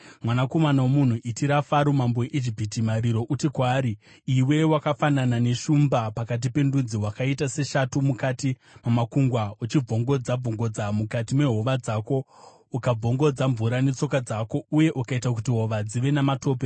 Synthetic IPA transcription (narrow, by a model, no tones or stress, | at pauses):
mwanako̞manawomun̤uʔitiɾafaɾomambojeʔid͡ʒipitimaɾiɾo̞ʔutikwaːɾi | iwe̞wakafananane̞ʃumbapakat̬ipe̞ndud͡ziwakaitase̞ʃatumukati | mamakuŋɡwaut͡ʃib͡vo̞ŋɡo̞d͡zab͡voŋɡo̞d͡zamukatime̞ɦo̞ʋad͡zaːko̞ | ukab͡vo̞ŋɡo̞d͡zaɱvuɾane̞t͡so̞kad͡zako̞uje̞ʔukaitak̬utiɦo̞ʋad͡ziʋe̞namato̞ːpe